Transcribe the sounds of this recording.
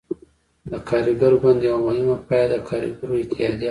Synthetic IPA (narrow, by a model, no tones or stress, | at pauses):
d̪əkʰaɾiɡaɾoɡand̪jawamʊhɪmapɑjad̪əkʰɑɾḭɡaɾoɪt̪ɪɑd̪i